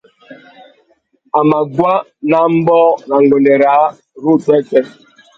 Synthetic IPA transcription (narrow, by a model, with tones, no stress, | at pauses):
a˨ma˨ɡwa˦na˨m̩˦bɔ˦na˨ŋ̩˨ɡo˨ne˨ɾa˨˦ | ɾu˦˨te˦te˦